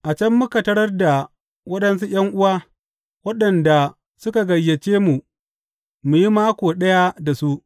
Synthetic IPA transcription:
ʔa˨t͡ʃɐ˦mːʊ˦kɐ˨tɐ˦ɽɐ˦rda˨ | wɐ˦ɗɐ˦ns̬u˦j̰ʲɐ˦ŋʔʊ˦waː˦ | wɐ˦ɗɐ˨nda˨ | sʊ˦ka˨ɡɐ˨jːe˨t͡ʃeː˦mu˨ | mu˨ji˦maː˦kʷoː˨ɗɐ˦ja˦da˨su˦ʔ

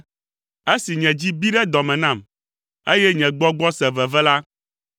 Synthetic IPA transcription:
e˦si˨ɲɛ̃˨d͡ʑi˦bi˦ɖɛ˦d̪ɔ˨mɛ̃˨nã˦˨m | e˦jɛ˦ɲɛ̃˨ɡ͡bɔ˦ɡ͡bɔ˦sɛ˨vɛ˨vɛ˦la˦

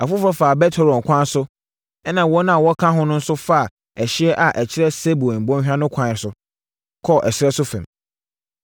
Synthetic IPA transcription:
a˨fʊ˦fɾɔ˦faː˨bɛ˦tʰɛ˦ɾɔ̃˨ŋ˨kʷʰã˦n˦sʊ˦ | ɛ˦nã˨wɔ˦nã˦a˨wɔ˦kʰã˦ɦʊ̃˦nʊ̃˦n̩˦sʊ˦fa˦a˨ | æ˨ɕɪ˦ɛ˦ʔa˨ʔæ˨t͡ɕʰɪ˦ɾɛ˦se˦bu˨bɔ̃˦ɕᶣã˦nʊ̃˦kʷʰã˨ɪ˨sʊ˨ | kʰɔ˦˨ʔɛ˨ɕɪ˦ɾɛ˦sʊ˦fɛ̰̃˨m

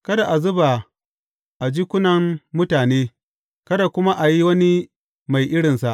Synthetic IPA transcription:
kɐ˦da˨ʔa˨zʊ˦ba˨ | ʔa˨d͡ʒiː˦kʷʊ˦nɐ˨mmʊ˦taː˨neː˦ | kɐ˦da˨kʷʊ˦ma˦ʔa˨ji˦wɐ˦ni˦ | ma˨jʔɪ˦ɽɪ˨nsa˨ʔ

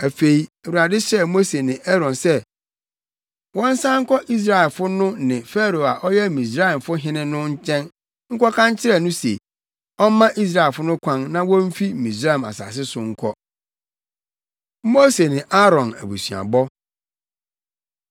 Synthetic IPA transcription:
æ˨fe˨i˨ɛ˨wu˨ɾa˨dɪ˦ɕɛ˦mo˦se˨nɪ̃˨ʔɛ˦ɾɔ̃˨nsɛ˦ | wɔ̃˦n̩˦sã˦ŋ̩˦kɔ˦ʔi˦s̬ɾa˨ɛ˨lfʊ˦nʊ̃˦nɪ̃˨fɛ˦ɾo˨a˨ʔɔ˦jɛ˦˨mĩ˨s̬ɾa˦˨mfʊ˦ɦɪ̃˦nɪ̃˦nʊ̃˦ɲ̩˦t͡ɕʰɛ̃˦n | ŋ̩˦kɔ˦kʰã˦ɲ˦t͡ɕʰɪ˦ɾɛ˦nʊ̃˦sḛ˨ | ɔ˦mã˦ʔi˦s̬ɾa˦˨e˨fʊ˦nʊ̃˦kʷʰã˦nnã˦wɔ̃˦m̩˦fi˦˨mĩ˨sɾa˦˨ma̰˨sa̰˨s̬ɪ˦sʊ˨ŋ̩˦kʷʰɔ˦ | mo˦se˨nɪ̃˨ʔa˦ɾɔ̃˨næ̰˨bṵ˨sɥa̰˨bɔ˦

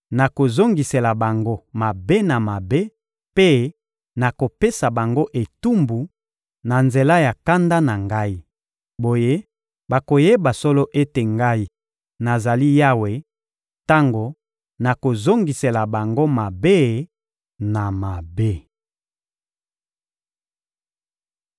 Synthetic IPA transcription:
na˨ko˨zo˦ŋɡi˨se˨la˨ba˨ŋɡo˦ma˨be˦na˨ma˨be˦ | pe˦ | na˨ko˨pe˦sa˨ba˨ŋɡo˦ʔe˨tu˦mbu˨ | na˨nze˨la˦ja˨ka˦nda˦na˨ŋɡa˦i˦ | bo˨je˦ | ba˨ko˨je˦ba˨so˦lo˦ʔe˦te˨ŋɡa˦i˦ | na˨za˨li˦ja˦we˨ | ta˦ŋɡo˨ | na˨ko˨zo˦ŋɡi˨se˨la˨ba˨ŋɡo˦ma˨be˦ | na˨ma˨be˦

